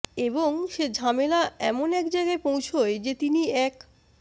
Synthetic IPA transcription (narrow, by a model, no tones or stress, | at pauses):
eboŋʃed͡ʑʱamelaɛ̰monɛkd͡ʑajɡaepowt͡ɕʰoed͡ʑet̪iniɛk